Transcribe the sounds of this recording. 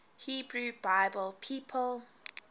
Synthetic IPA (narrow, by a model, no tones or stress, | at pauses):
hiːbɹubaɪbəlpʰiːpʰəlˠ